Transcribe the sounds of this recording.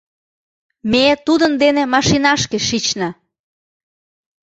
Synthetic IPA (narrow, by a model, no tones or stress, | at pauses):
met̪ud̪ənd̪enemɑʃinɑʃkeʃit͡ɕnɑ